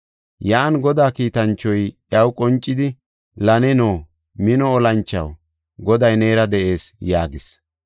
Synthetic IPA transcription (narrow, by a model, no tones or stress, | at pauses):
jaːnɡɔd̪aːkiːt̪ɐnt͡ʃːɔjʔjɐwkʼɔnt͡ʃʼːɪd̪ɪ | lɐnɛnoː | mɪnɔːlɐnt͡ʃːɐ̰w | ɡɔd̪ɐjneːɾɐd̪ɛʔe̞ːsjaːɡɪs